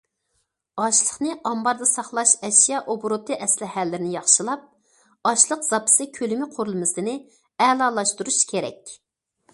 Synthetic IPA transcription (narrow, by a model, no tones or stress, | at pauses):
ɑʃlˠəχnɨʔɑmbɑɾd̪ɑsɑχlˠɑʃɛʃijɑʔobɾot̪ʰɨʔɛslɪhælːɪɾɪnɪjɑχʃɨlˠɑp̚ | ɑʃlˠəqz̥ɑpʰɨ̥sɨkʲʰølymɪqʰoɾulˠɨmɨsɨnɪ | ɛlˠɑlˠɑʃt̪uɾuʃkʲʰeɾɛ̰kʲ